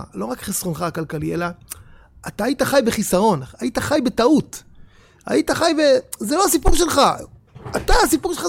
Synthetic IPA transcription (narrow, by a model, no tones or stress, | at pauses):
lo̞ʁakχisʁonχaːkalkalielaː | t̪aːjit̪aχajbe̞χisaʁo̞najit̪aχajbe̞taut̪ | a̰it̪aχajbezeloasipuʁʃe̞lχa | at̪aːsipuʁʃela